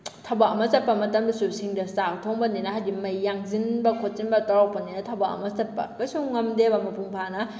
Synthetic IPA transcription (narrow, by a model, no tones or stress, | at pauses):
tʰɐbaɐmɐsɐt̚pːɐmɐtɐmdɐsusiŋdɐsatʰoŋbɐninɐɦajdimɐjːaŋzinbɐkʰot̚sinbɐtɔɾawk̚pɐninɐtʰɐbaɐ̰mɐsɐt̚pːɐ̰kajsuŋŋɐmdebɐmɐpʰuŋpʰanɐ